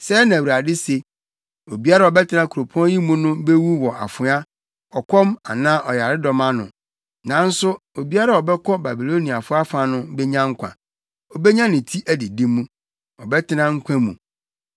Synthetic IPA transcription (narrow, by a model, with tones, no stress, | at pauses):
sɛ˦nã˨wu˨ɾa˨dɪ˦se˨ | o˨bi˦a˦ɾa˦˨ɔ˨bɛ˦tʰɪ˦nã˦kʰu˨ɾo˨pʰu˦ã˦ji˦mũ˦nʊ̃˦be˦wu˦wɔ˨a˨fʊ˨˦a˦ | ɔ˨kʰɔ˦ma̰˨nã˦ʔɔ˨ja˨ɾɪ˦dɔ˨mã˦nʊ̰̃˨ | nã˨n̩˦sʊ˦o˨bi˦a˦ɾa˦˨ɔ˨bɛ˦kʰɔ˦ba˨bi˨lo˦ni˨a˨fʊ˦a˦fa˨˦nʊ̃˦bɛ˦ɲã˦ŋ̩˦kʷʰã̰˨ | ɔ˨bɛ˦ɲã˦nɪ̃˨tʰi˦ʔæ˨di˨dĩ˦mũ˦ | ɔ˨bɛ˦tʰɪ˦nã˦ŋ̩˦kʷʰã˦mũ˨